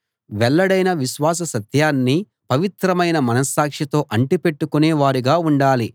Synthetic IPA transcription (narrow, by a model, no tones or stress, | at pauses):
ʋɛɭːɐɽɐjnɐʋiʃʋaːs̬ɐsɐt̪jaːnːi | pɐʋit̪ɾɐmɐjnɐmɐnɐsaːkʂɐt̪o̞ːʔɐɳʈipe̞ʈːukuneːʋaːɾiɡaːuɳɖaːli